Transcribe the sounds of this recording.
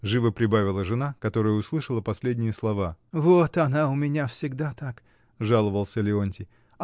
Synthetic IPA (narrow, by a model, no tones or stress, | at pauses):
ʐɨvəpɾʲɪbavʲɪlˠəʐɨnakɐt̪o̞ɾɨjəʊslˠɨʂəlˠəpɐsʲlʲedʲnʲɪjəslˠɐvavot̪ɐnaʊmʲɪnʲafsʲɪɡd̪at̪ak | ʐalˠəvəlˠsʲəlʲɪonʲtʲɪ